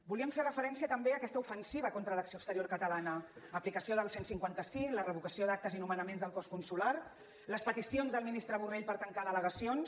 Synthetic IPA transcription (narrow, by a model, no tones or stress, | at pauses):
buliəmferəfəɾɛnsiət̪əmbeəkɛst̪əufənsiβəkont̪ɾələksioəkst̪əɾioɾkət̪əlanəəplikəsioðəlˠsensiŋkwant̪əsiŋlərəβukəsioðak̚t̪əzinumənəmenzðəlˠkɔskunsular | ləspət̪isionzðəlˠminist̪ɾəβureʎpəɾt̪əŋkaðələɣəsions